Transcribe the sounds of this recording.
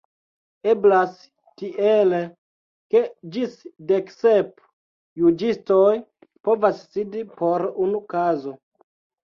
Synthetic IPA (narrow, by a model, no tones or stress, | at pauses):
e̞blas | tiʔele | ke̞d͡ʒisdeksep | jud͡ʒisto̞j | po̞vasːidipʰo̞ɾunukazo̞